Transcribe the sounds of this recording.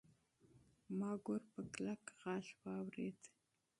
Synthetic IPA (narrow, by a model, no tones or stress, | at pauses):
maːɡʷʊrpəklakʁɑːɬwaːwrḛːd